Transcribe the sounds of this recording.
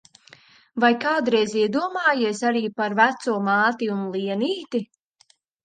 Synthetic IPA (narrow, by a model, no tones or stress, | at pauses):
vajkaːd̪ɾɛjziɛd̪uɔmaːjiɛsaɾiːpaɾvæt̪suɔmaːt̪iunlˠiɛniːt̪i